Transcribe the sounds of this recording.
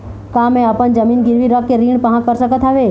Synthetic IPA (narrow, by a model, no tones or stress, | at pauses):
kamɛ̃əpənd͡ʒəmiːnɡɪɾʋiɾəkːeɾiɳ̃pəɦãkəɾsəkət̪ʰaʋe